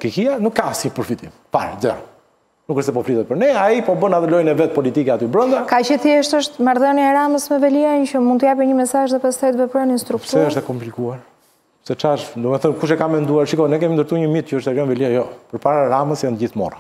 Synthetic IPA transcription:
kɛçianukːasipəɾfit̪im | pa̰ɾzɛɾɔ | nukəʃst̪ɛp̬ɔfɾiðɛt̪̚pəɾnɛaipɔbənaðɛlɔjnɛvɛt̪̚pɔlit̪ikɛat̪ybɾɔnd̪akat͡ʃət̪ʃt̪əʃt̪maɾðɔnjaɛɾaməsmɛvɛliant͡ʃəmunt̪əjap̬iɲəmɛsaʒðɛpast̪ɛt̪vɛpɾəninst̪ɾukt̪uɛəʃt̪akɔmplikuaɾ | sɛt͡ʃaʃd̪umɛθənkuʃɛkamːɛnd̪uaɾʃikɔnɛk̬ɛmind̪əɾt̪uɲəmit̪̚cəəʃt̪ɛɾjɔnvɛliajɔpəɾpaɾaɾaməsjanɟiθmɔ̰ra

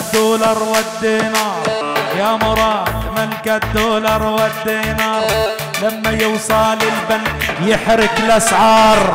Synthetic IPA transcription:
d̪̥oːlɑɾˤwad̪ːiːnɑːɾɾˤjamʊɾˤɑːmɪnkad̪oːlɑɾˤwad̪ːiːnɑːɾˤ | lamːajɪwsˤɑːlɪlbanjɪħɾɪklʔasʕɑːɾˤ

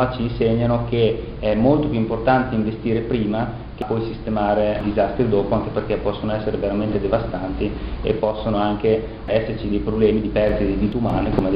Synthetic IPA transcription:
at͡ʃiːnseɲːanok̟e | ɛmːolt̪opjuimport̪ant̪eiɱvest̪iːɾepɾiːma | k̟epɔjsist̪emaːɾed̪izast̪ɾid̪oːpoaŋkeperkɛpːɔsːonoɛsːeɾeveɾament̪ed̪evast̪ant̪iḛpːɔsːonoaŋk̟e | ɛsːert͡ʃid̪ejpɾoblɛːmid̪ipɛrsid̪id̪iːt̪umaːnekome

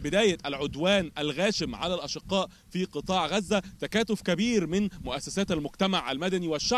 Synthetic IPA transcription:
bɪd̪æːjæʔælʕod̪wæːnʔælɣæːʃɪmʕalælʔɑʃɪqːɑːʔ | fiːqɨt̪ˤɑːʕɣæzːæt̪ækæːt̪ofkæbiːɾmɪnmoʔæsːæsæːt̪ælmʊɡt̪æmaʕʔæ̰lmæd̪æniwæʃːa

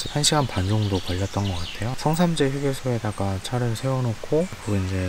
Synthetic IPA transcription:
hʰanɕʰiɡanpand͡ʑoŋdopʌʎːʌt̚t͈ʌnɡʌk͈atʰe̞josʰʌŋsʰamd͡ʑeɸuɡesʰoedaɡat͡ɕʰaɾɯɭsʰe̞wʌnokʰokɯind͡ʑe̞

